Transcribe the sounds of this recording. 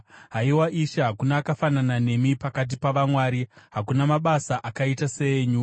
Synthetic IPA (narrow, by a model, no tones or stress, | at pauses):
ɦaiwaʔiʃeɦakunaːkafananane̞mipakat̬ipaʋamwaːɾiɦakunamaɓasaʔakaitase̞ɲu